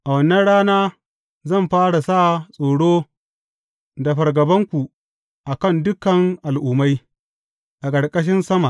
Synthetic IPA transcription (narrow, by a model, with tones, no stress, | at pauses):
ʔa˨wɐ˦nːɐ˦nɽaː˦naː˦ | zɐ˦˨mɸaː˦ɽa˨sa˦˨sʼoː˨ɽoː˦ | da˨ɸɐ˨ɾɡɐ˨bɐ˦ŋkʷu˨ | ʔa˨kɐ˦ndʊ˦kɐ˨ŋʔa˨lʔʊː˨ma˦j | ʔa˨kʼɐ˨ɽkʼɐ˦ʃ̬ɪ˦nsɐ˦ma˨